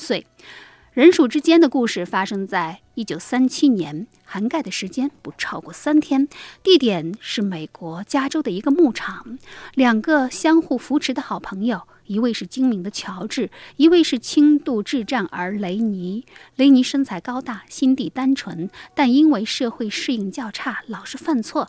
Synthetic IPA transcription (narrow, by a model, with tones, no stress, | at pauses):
swe˥˩ɪ | ɻə˧˥nʂu˨˩ʈ͡ʂɻ̩˥t͡ɕjɛ˥nd̪ə˨ku˥˧ʂɻ̩˥˩fa˥ʂɤ˥ŋt͡sa˥˩ɪ | i˥˩t͡ɕjo˨˩ʊsa˥nt͡ɕʰi˥njɛ˧˥n | xa˧˥nka˥˩ɪd̪ə˩ʂɻ̩˧˥t͡ɕjɛ˥npu˧˩ʈ͡ʂʰɑ˥˧ʊkwɔ˥˩sa˥nt̪ʰjɛ˥nt̪i˥˩t̪jɛ˨˩nʂɻ̩˥˩me˨˩ɪkwɔ˧˥t͡ɕja˥ʈ͡ʂo˥ʊd̪ə˨˩i˧˥ɡə˧mu˥˩ʈ͡ʂʰɑ˨˩˦ŋljɑ˨˩ŋɡə˧˦ɕjɑ˥ŋxu˥˩fu˧˥ʈ͡ʂʰɻ̩˧˥d̪ə˧xɑ˨˩ʊpʰɤ˧˥ŋjo˥˧˩ʊ | i˧˥we˥˧ɪʂɻ̩˥˩t͡ɕi˥ŋmi˧˥ŋd̪ə˧t͡ɕʰjɑ˧˥ʊʈ͡ʂɻ̩˥˩i˧˥we˥˧ɪʂɻ̩˥˩t͡ɕʰi˥ŋt̪u˥˧ʈ͡ʂɻ̩˥˧ʈ͡ʂa˥˩nə˞˧˥le˧˥ɪni˧˥le˧˥ɪni˧˥ʂə˥ŋt͡sʰa˧˥ɪkɑ˥ʊt̪a˥˩ɕi˥nt̪i˥˩t̪a˥nʈ͡ʂʰwə˧˥nt̪a˥˩ni˥nwe˥˧ɪʂɤ˥˧xwe˥˩˧ɪʂɻ̩˥˧i˥˧ŋt͡ɕjɑ˥˧ʊʈ͡ʂʰa˥˩lɑ˨˩ʊʂɻ̩˥˧fa˥˧nt͡sʰwɔ˥˩